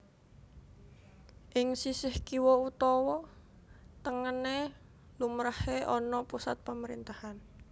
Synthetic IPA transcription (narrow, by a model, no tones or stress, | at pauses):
ʔɪŋsisɪhkiwɔut̪ɔwɔ | t̪əŋəne | lumɾaheʔɔnɔpusat̪̚paməɾint̪ahan